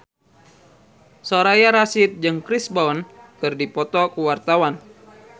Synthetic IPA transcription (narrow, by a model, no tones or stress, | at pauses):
soɾajaɾasɪt̪̚d͡ʒɨŋkɾisbaɔnkɨrdipɔt̪ɔkuwart̪awan